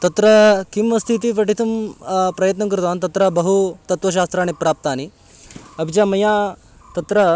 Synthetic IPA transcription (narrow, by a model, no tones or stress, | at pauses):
t̪ɐt̪ɾɐkimːɐst̪ʰit̪ipɐʈit̪ɐmpɾɐjɐt̪̬nɐkɾut̪aːnt̪ɐt̪ɾɐbɐɦut̪ɐt̪ʋɐʃ̬aːst̪ɾaːɳipɾaːp̚t̪aːni | ɐbʱid͡ʒaːmɐjaː | t̪ɐt̪ɾɐ